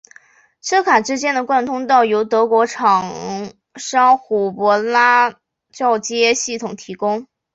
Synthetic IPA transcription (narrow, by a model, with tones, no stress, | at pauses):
ʂʰɤ˥kʰa˨˩ʈ͡ʂɻ̩˥t͡ɕjɛ˥nd̪ə˨kwa˥˧nt̪ʰʊ˥ŋt̪ɑ˥˩ʊjo˧˥ʊt̪ɤ˧˥kwɔ˧˥ʈ͡ʂʰɑ˨˩ŋ | ʂɑ˥ŋxu˨˩pwɔ˧˥la˥ | t͡ɕɑ˥˩ʊt͡ɕjɛ˥ɕi˥˩t̪ʰʊ˨˩ŋt̪ʰi˧˥kʊ˥ŋ